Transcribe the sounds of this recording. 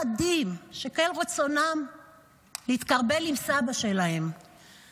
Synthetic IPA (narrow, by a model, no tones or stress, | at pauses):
adimʃekelʁet͡so̞nam | leit̪kaʁbe̞limsabaʃe̞lae̞m